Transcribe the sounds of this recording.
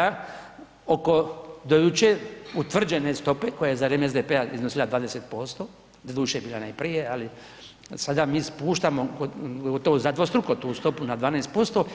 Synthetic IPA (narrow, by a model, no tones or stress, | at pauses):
a | oko̞d̪ojut͡ʃeut̪ʋr̩d͡ʒene̞st̪o̞pe̞ko̞jajezaɾeːmeezd̪epeaḭznosilˠad̪ʋaːd̪eset̪̚po̞st̪o̞ː | d̪d̪uːʃejebiːlanajpɾije̞ali | sad̪amiːspuːʃt̪amoɡoɡɡot̪oʋozad̪ʋost̪ɾukot̪uːst̪o̞punad̪ʋaːnaest̪po̞st̪o̞